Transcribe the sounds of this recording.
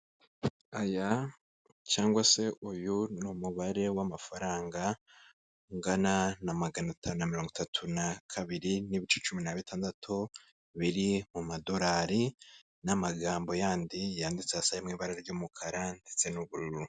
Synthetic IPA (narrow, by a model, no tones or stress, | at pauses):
aja | t͡ʃaːŋɡwase̞ʔujunumuβaɾe̞wamafaɾaːŋɡa | ŋɡananamaɡanatʰaːnunamiɾo̞ːŋɡitatʰunakʰaβiɾiniβit͡ʃe̞t͡ʃuminaβitʰaːndatʰu | βiɾimumado̞ɾaɾi | namaɡaːmbo̞jaːndijaːndit͡seasajemŋiːβaɾaɾeɾɟumukʰaɾandet͡se̞nuβuɾuɾu